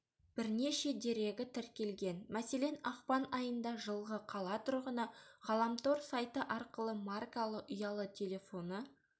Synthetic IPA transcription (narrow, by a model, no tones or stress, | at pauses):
b̥ɪɾne̞ʃe̞d̪e̞ɾe̞ɡʲɪt̪ʰɪɾkʲe̞lɡʲe̞nmæse̞le̞nɑqpɑnɑjənd̪ɑʒəlˠʁəqʰɑlˠɑt̪ʰʊɾʁənɑʁɑlˠɑmt̪o̞ɾsɑjt̪əʔɑɾqəlˠəmarkalˠəʔʊjɑlˠət̪ʲʰe̞lʲe̞fo̞nə